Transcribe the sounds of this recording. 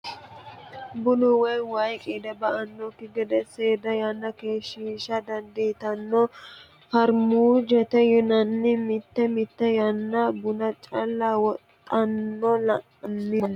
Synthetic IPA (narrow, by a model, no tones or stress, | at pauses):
bʊnʊwɐjwɐjkʼiːd̪ɛbɐʔɐnːɔkːɪɡɛd̪ɛseːd̪ɐjɐnːɐkeːʃiːʃɐd̪ɐnd̪it̪ɐnːɔ | hɐɾmuːd͡ʒɛt̪ɛjʊnɐnːɪmɪt̪ːɛmɪt̪ːɛjɐnːɐbʊnɐt͡ʃʼɐlːawɔt̪ʼːɐnːɔlɐʔnːɪ